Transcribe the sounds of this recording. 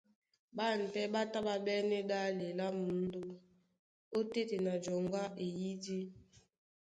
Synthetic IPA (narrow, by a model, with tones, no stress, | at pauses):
ba˦˨n̩˨tɛ˦ba˦ta˦ba˨bɛ˦nɛ˦da˦le˨la˦mu˨˦n˦do˦ | o˦te˦te˨na˨d͡ʒɔ˨ŋɡa˦ʔe˨ji˦di˦